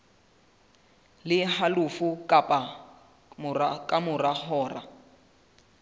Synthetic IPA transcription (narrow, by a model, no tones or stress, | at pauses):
lɪhalufukʼapʼa | mrakʼamʊrahɔːra̰